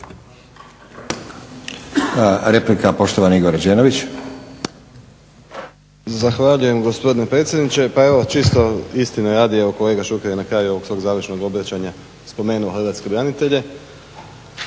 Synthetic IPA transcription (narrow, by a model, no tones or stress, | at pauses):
ɾe̞plikapo̞ʃt̪oʋanaiɡoɾad͡ʒeːnoʋit͡ɕ | zaxʋaʎuje̞mɡospo̞d̪inepɾe̞t̪sjed̪nit͡ɕe̞pae̞ʋo̞t͡ʃist̪o̞ist̪inoɾaːd̪ieʋo̞kole̞ːɡaʃukeɾje̞nakɾaːjuo̞ʋo̞ɡsʋo̞ːɡzaːʋəɾʃno̞ɡo̞bɾat͡ɕaɲa | spo̞me̞ːnuoxrɾʋat̪ske̞bɾanit̪e̞ʎe̞